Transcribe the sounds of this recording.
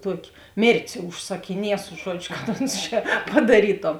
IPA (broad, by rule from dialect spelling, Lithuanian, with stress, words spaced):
ˈtuɔkʲɪ ˈmʲeːrʲtʲeːs ʊʃsɐkʲɪˈnʲiɛsʊ ˈʒuɔd͡ʒʲʊ ˈkɐt ˈoːns t͡ʃʲɛ pɐdɐˈrʲiːtoːm